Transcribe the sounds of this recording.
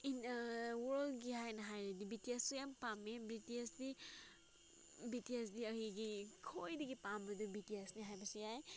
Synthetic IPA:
inwɔldɡiɦajnɐɦajɾedibitiessujampamebɾitisdi | bitiesdiɐhiɡikʰojdiɡipambɐdubitiesniɦajbɐsujaj

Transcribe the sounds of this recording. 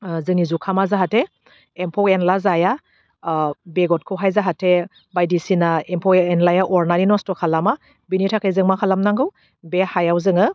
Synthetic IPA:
zɯŋnizukʰamazaɦatʰeː | mpʰɔkenlazaja | beɡɔt̚kʰɯwɦajzaɦatʰe | bajdisinaempʰɔkenlajaʔɔɾnaninɔstɔkʰalama | binitʰakʰɯjzɯŋmakʰalamnaŋɡɯw | behajawzɯŋɯ

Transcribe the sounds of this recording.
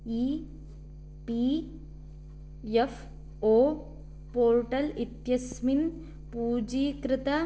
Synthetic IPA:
iː | piː | jef | oː | poːɾʈɐlit̪jɐsmin | puːd͡ʒiːkɾɪt̪ɐ

